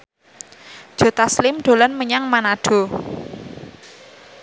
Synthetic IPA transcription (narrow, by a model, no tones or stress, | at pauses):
ʒ̥o̤t̪aslɪmɖ̪̥o̤lɔnməɲaŋmanaɖ̥o̤